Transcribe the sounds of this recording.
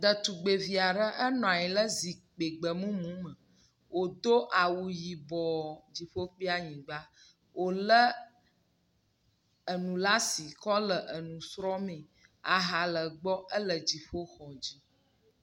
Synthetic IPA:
d̪ə˨t̪u˨ɡ͡be˨vi˨a˨ɖə˦ʔə˦nɔ̃˨a˨ji˨lə˦zi˨k͡pe˨ɡ͡bə˨mũ˦mũ˨˦mə˨ | wʔo˨d̪o˦ʔa˨wu˨ji˨bɔ˨d͡ʑi˨ɸo˦k͡pi˦a˦ɲĩ˨ɡ͡ba˦ | wʔo˨lə˦ | ə˨nũ˨la˦si˨kɔ˦lə˨ʔə˨nũ˨sɾɔ˦mẽ˨ | a˨ɦa˨lə˨ɡ͡bɔ˦ʔə˦lə˨d͡ʑi˨ɸo˦xɔ˨d͡ʑi˦

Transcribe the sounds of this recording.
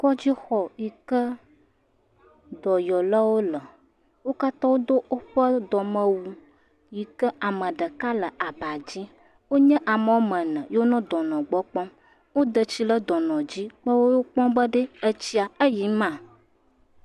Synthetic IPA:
kɔ˦d͡ʑi˦xɔ˨ji˨kə˦ | d̪ɔ˨jɔ˨la˦wo˦lə˨ | wo˦ka˦t̪ɔ˦wo˦d̪o˦ʔo˦ɸə˦d̪ɔ˨mə̃˨wu˨ | ji˨kə˦ʔa˨mə̃˨ɖə˨ka˦lə˨ʔa˨ba˨d͡ʑi˦ | wo˦ɲɛ̃˦ʔa˨mə̃˨wo˦mə̃˨nə̃˨jo˦nɔ̃˦d̪ɔ˨nɔ̃˨ɡ͡bɔ˦k͡pɔ̃˦ | wo˦d̪ə˨t͡ɕi˦lə˦d̪ɔ˨nɔ̃˨d͡ʑi˦k͡pə˦wo˦jo˦k͡pɔ̃˦bə˦ɖə˦ə˦t͡ɕi˦a˨ə˦ji˨˦mã˦˨

